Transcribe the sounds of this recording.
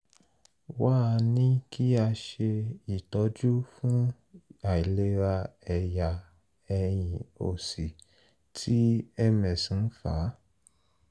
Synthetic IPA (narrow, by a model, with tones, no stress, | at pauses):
wa˦˧nĩ˦ki˦a˧ʃe˧i˦˨tɔ˨˧d͡ʒu˦fũ˦ | a˨i˨le˧ɾa˧ɛ˨ja˨ | ɛ˧j̃ĩ˨o̰˨si˨ | tʰi˦ɛ˦mɛ̃˨sĩ˨˦fa̰˨˦